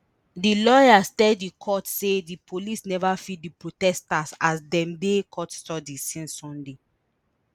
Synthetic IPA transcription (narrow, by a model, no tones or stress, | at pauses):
dilɔjastɛddikʰɔtsedipʰolisnɛvafit̚dipɹotɛstasasdɛ̃mdekʰɔtstɔdisĩnsɔ̃nde